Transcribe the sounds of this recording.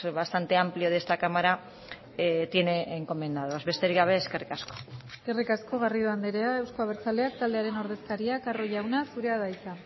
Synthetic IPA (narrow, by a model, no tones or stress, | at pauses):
βast̪ant̪e̞amplio̞ðe̞st̪akamaɾa | t̪je̞neːŋko̞me̞nd̪aðoazβe̞st̪e̞ɾiɣaβ̞e̞ːske̞rikasko̥eeke̞rikasko̞ɣ̞ariðoand̪eɾeae̞wskoaβ̞eɾt͡sale̞ak̚t̪ald̪eaɾe̞no̞ɾðe̞skaɾiakaro̞ʝawnasuɾe̞aðajt͡sa